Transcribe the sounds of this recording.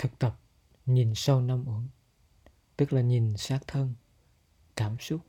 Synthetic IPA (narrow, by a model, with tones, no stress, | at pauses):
t̪ʰɨ˨˩k̚t̪ə˨˩p̚ | ɲi˨˩nsa˧wna˧mʔu˧˦əŋ | t̪ɨ˦˥k̚laː˨˩ɲi˨˩nsaː˦˥k̚t̪ʰə˧n | kaː˧˩msʊ˦˥t̚